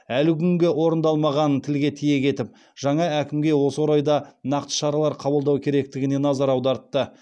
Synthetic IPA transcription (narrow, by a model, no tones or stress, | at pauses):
ælɪkʲʰʏŋɡʲe̞wo̞ɾənd̪ɑlˠmɑʁɑnt̪ʰɪlɡʲe̞t̪ʰije̞kʲʰe̞t̪ɪp̚ | ʒ̥ɑɴɑækʲɪmɡʲe̞wo̞səwoɾɑjd̪ɑnɑqt̪ə̥ʃɑɾɑlˠɑɾqʰɑbəlˠd̪ɑwkʲʰe̞ɾe̞k̚t̪ɪɡʲɪne̞nɑzɑɾɑwd̪ɑɾt̪ːə